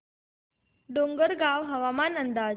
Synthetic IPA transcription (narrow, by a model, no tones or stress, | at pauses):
ɖoŋɡəɾɡaʋɦəʋamanənd̪ad͡ʑ